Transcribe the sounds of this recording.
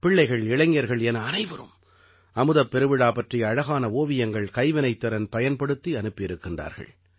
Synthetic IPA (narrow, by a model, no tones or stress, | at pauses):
pɪɭːɐɪɣɐɭɪɻɐŋɡjɐɾɣɐɭɛnɐːnɐɪʋɐɾɯ̰m | ɐmɯðɐpːɛɾɯʋɪɽaːpɐʈriɐɐɻɐɣaːnɐoːʋɪjɐŋɡɐɭkɐɪʋɪnɐɪt̪ːɐɾɐnpɐjɐnpɐɽɯt̪ːiɐnɯpːɪɾɯkːɪndra̰ːɾɣɐ̰ɭ